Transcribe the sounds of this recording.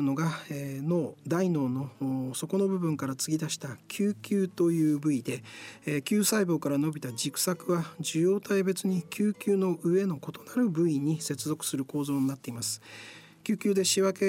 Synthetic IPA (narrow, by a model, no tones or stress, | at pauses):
no̞ɡaeno̞ːd̪aino̞ːno̞so̞ko̞no̞bɯ̟bɯ̟̃ŋkaɾat͡sɨɡʲid̪aɕi̥t̪akʲʰɨːkʲɨːt̪o̞jɯ̟ːbɯ̟id̪e̞kʲɨːsaibo̞ːkaɾano̞bʲit̪ad͡ʑikɯ̥sakɯ̟βad͡ʑɨjo̞ːt̪aebe̞t͡sɨɲ̟ikʲʰɨːkʲɨːno̞ʔɯ̟e̞no̞ko̞t̪onaɾɯ̟bɯ̟iɲ̟ise̞t͡sɨzo̞kɯ̟̥sɨɾɯ̟ko̞ːzo̞ːɲ̟inat̪ːe̞imasɨ̥ | kʲɨːkʲɨːd̪e̞ɕiβake̞